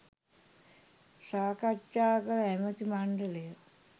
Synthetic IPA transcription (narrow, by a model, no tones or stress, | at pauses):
saːkatːaːkəɾæmət̪imaɳɖələjə